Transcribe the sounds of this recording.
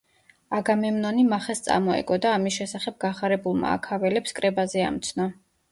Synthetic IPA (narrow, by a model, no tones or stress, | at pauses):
aɡamɛmnanimaχɛst̪sʼa̰mɔɛ̰ɡɔd̪aːmisʃɛsaχɛb̚ɡaχaɾɛbulˠma̰ːkʰavɛlɛpskʼɾɛbazɛa̰mt̪sʰnɔ